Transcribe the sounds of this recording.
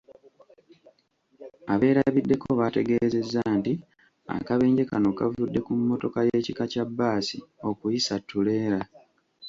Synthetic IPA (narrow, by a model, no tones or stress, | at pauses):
aβe̞ːɾaβidːe̞ko̞βate̞ɡe̞ze̞zːaːnti | a̰kaβe̞ːɲɟe̞kano̞kavudːe̞kumːo̞to̞kaje̞ːcikacabːaːsio̞kujisatʰːule̞ːɾa